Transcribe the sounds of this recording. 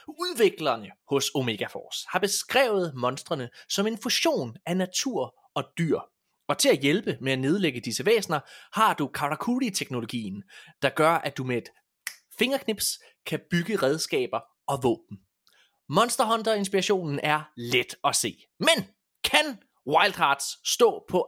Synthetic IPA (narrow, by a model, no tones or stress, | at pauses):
uðˠʋe̝ɡ̥lɐnəhɔ̽so̝me̝ɡ̥æfɒ̰ːshɑ̈b̥e̝sɡ̥ʁɛ̰ːʊð̞̩ˠmɒ̽nsd̥ʁɐnəsɒ̽me̝nfuɕo̝̰ːnænæt͡sʰuɐ̰ | ɒ̽d̥y̰ɐ̰ | ɒ̽t͡sʰe̝læjelb̥əmeæne̝ð̞ˠleɡ̥əd̥isəʋḛːsnɐhɑ̈d̥ukʰɑ̈ʁɑkʰulit͡sʰeɡ̥no̝lo̝ɡ̥ḭːn̩d̥ɑ̈ɡ̥ɶɐʔæd̥umee̝d̥ | fe̝ŋɐkʰne̝b̥s | kʰæb̥yɡ̥əʁɛð̞ˠsɡ̥ɛ̰ːb̥ɐ | ɒ̽ʋɔ̰̽ːb̥n̩ | mɒ̽nsd̥ɐɦɒ̽nd̥ɐe̝nsb̥iʁɑɕo̝̰ːnn̩ʔæɐled̥ɒ̽se̝̰ː | men | kʰæn | wɑ̈ɪld̥ʁɑ̈ːd̥sːd̥ɔ̰̽ːpʰɒ̽